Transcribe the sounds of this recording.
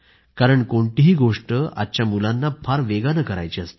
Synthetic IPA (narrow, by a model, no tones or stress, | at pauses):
kaɾəɳkoɳʈ̪iɦiːɡoʂʈəa̰tːt͡ɕjamulanːapʰaɾʋeɡanəkəɾa̰jt͡ɕiast̪e̥